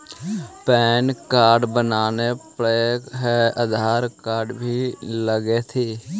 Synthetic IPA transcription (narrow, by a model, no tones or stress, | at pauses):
pɛːnkaːɾɖbənaːnepeɦɛəd̪ʱaːɾkaːɾɖbʱiləɡet̪ʰiː